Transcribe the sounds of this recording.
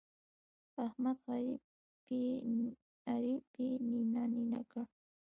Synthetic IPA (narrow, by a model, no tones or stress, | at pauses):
ahmat̪ɢɑɾɪ | pɪ | aɾɪpɪnɪnanɪna̰ka